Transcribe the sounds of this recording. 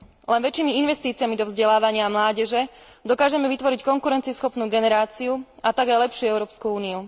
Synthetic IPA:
lɛnʋɛt͡ʃiːmiinʋɛst̪iːt͡siamid̪ɔvzɟɛlaːʋaɲɪamlaːɟɛʒɛ | d̪ɔkaːʒɛmɛʋit̪ʋɔɾickɔŋkuɾɛnt͡siɛsxɔpnuːɡɛnɛɾaːt͡siu | at̪aɡajlɛpʃɪuɛʊɾɔːpskuuːniu

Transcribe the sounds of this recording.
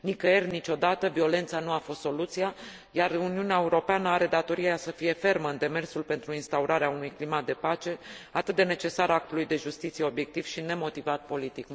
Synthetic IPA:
nikəernit͡ʃo̞d̪at̪əvio̞le̞nt̪sanuafo̞st̪so̞lut̪sija | jaruniuneae̞uɾo̞peanəaɾe̞d̪at̪o̞ɾiaasəfije̞fe̞rməɨnd̪e̞me̞rsulpe̞nt̪ɾuinst̪auɾaɾeaunujklimat̪̚d̪e̞pat͡ʃe̞at̪ɨt̪̚d̪ene̞t͡ʃe̞saɾak̚t̪ulujd̪e̞ʒust̪it̪sije̞o̞bje̞k̚t̪iv̥ʃine̞mo̞t̪ivat̪̚po̞lit̪ik

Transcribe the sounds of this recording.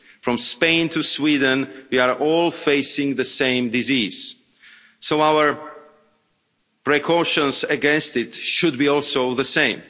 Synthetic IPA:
fɹɔ̃mspẽɪ̃ntʰuswidə̃n̩wiaɹʔɔlˠfeɪsɪ̃ŋðɨsẽɪ̃mdɪziz̥ | soʊawə˞ | pɹɛkʰɔʃə̃nzɨɡɛ̃nstɪtʃʊd̚biɔlˠsoʊðəsẽɪ̃m

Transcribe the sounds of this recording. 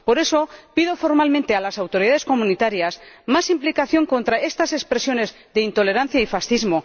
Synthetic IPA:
po̞ɾe̞so̞piðo̞fo̞ɾmalmẽnt̪ealasawt̪o̞ɾiðaðe̞skomũnit̪aɾjasmasimplikaθjo̞ŋko̞nt̪ɾae̞st̪ase̞kspɾe̞sjo̞ne̞z | ðe̞int̪o̞le̞ɾan̟θjaifasθizmo̞

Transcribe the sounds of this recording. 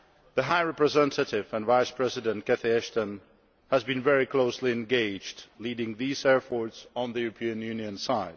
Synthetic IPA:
ðɨɦaɪɹɛpɹɨzɛ̃ntʰɨɾɪvə̃nvaɪspʰɹ̥ɛzɨɾɨ̃nkɛθiɛʃtə̃n | həzbɨ̃nvɛɹikʰl̥oʊsliɨ̃nɡeɪd͡ʒdliɾɪ̃ŋðizɛɹpʰɔɹsn̩ðɨjʉɹəpʰĩɨ̃njʉ̃niɨ̃nsaɪd̥

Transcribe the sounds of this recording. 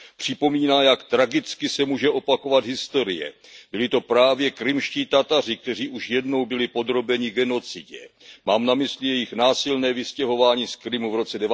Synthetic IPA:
pr̝̥ɪpo̞miːnaːjakt̪ɾaɡɪt͡skɪsɛmuːʒɛʔo̞pako̞vat̪ɦɪst̪o̞ɾɪ̰jɛ̰bɪlɪt̪o̞pɾaːvjɛkɾɪmʃciːt̪at̪arɪk̚t̪ɛr̝iːʔuʃjɛdno̞wbɪlɪpo̞d̪ɾo̞bɛɲɪɡɛno̞t͡sɪɟɛmaːmnamɪslɪjɛjɪxnaːsɪlnɛːvɪscɛɦo̞vaːɲiːskɾɪmuvɾo̞t͡sɛdɛva

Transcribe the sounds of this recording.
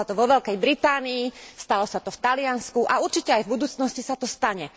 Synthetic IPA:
at̪ɔʋɔʋɛʎkɛjbɾit̪aːniist̪alɔsat̪ɔft̪alɪanskuʔauɾt͡ʃicɛajvbud̪uːt͡snɔscisat̪ɔst̪aɲɛ

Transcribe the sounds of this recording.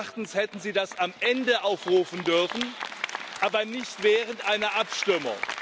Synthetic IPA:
χtn̩shɛtn̩ziːdasamʔɛndəʔaʊfʁuːfn̩dʏɐfn̩ʔaːbɐnɪçtv̥ɛːʁəntʔaɪnɐʔapʃtʏmʊ̰ŋ

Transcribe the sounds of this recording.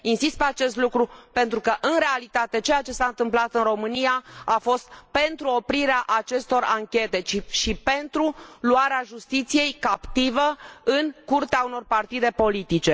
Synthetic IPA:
insist̪̚peat͡ʃe̞st̪lukɾupe̞nt̪ɾukəʔɨnɾe̞alit̪at̪e̞t͡ʃejat͡ʃe̞saɨnt̪ɨmplat̪ɨnro̞mɨnijaafo̞st̪pe̞nt̪ɾuo̞pɾiɾeaʔat͡ʃe̞st̪o̞raŋkʲe̞t̪e̞t͡ʃiʃipe̞nt̪ɾuluaɾeaʒust̪it̪sije̞jkapt̪ivəɨnkurt̪eauno̞rpart̪id̪e̞po̞lit̪it͡ʃe̞

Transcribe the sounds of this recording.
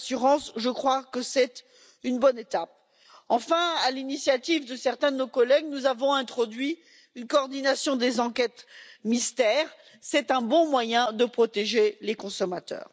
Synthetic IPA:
syʁɑ̃sʒəkχwakəsɛt̪ | ynbɔnet̪ap̚ | ɑ̃fɛ̃alinisjat̪ivd̪əsɛʁt̪ɛ̃d̪ənokɔlɛɡ̚nuzavɔ̃ɛ̃t̪χɔd̪ɥi | ynkɔːʁd̪inasjɔ̃d̪ezɑ̃kʲɛt̪mist̪ɛːʁ | sɛt̪ɛ̃bɔ̃mwajɛ̃d̪əpχɔt̪eʒelekɔ̃sɔmat̪œ̰ːʁ

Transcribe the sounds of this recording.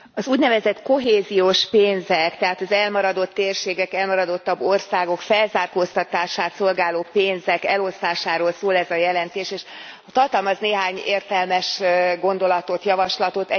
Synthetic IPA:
ɒzuːɟnɛvɛzɛt̪ko̞ɦeːzijoːʃpeːnzɛkt̪ɛɦaːt̪ɒzɛlmɒɾɒd̪o̞t̪ːeːrʃeːɡɛkɛlmɒɾɒd̪o̞t̪ːɒbːo̞rsaːɡo̞kfɛlzaːrkoːst̪ɒt̪aːʃaːt̪so̞lɡaːloːpeːnzɛkɛlo̞st̪aːʃaːɾoːlsoːlɛzɒjɛlɛnt̪eːʃeːʃ | ɒt̪ɒrt̪ɒlmɒzneːɦaːɲeːrt̪ɛlmɛʃɡo̞nd̪o̞lɒt̪o̞t̪jɒvɒʃlɒt̪o̞t̪ɛ

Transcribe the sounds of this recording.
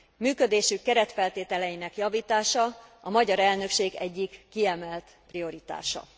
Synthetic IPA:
myːkød̪eːʃykːɛɾɛt̪fɛlt̪eːt̪ɛlɛjinɛkjɒviːt̪aːʃɒɒmɒɟɒɾɛlnø̞kʃeːɡɛɟːikːiɛmɛlt̪prijo̞ɾit̪a̰ːʃɒ̰

